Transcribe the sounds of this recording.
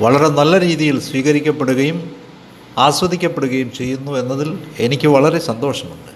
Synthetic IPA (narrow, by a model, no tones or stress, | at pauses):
ʋɐɭɐɾe̞nɐlːɐɾiːðijilsʋiːɣɐɾikʲːɐpːe̞ɽuɣɐjum | aːsʋɐd̪ʱikʲːɐpːe̞ɽuɣɐjumt͡ɕe̞jːunːue̞nːɐðile̞nikʲːɨʋɐɭɐɾe̞sɐnd̪o̞ːʂɐmuɳɖɨ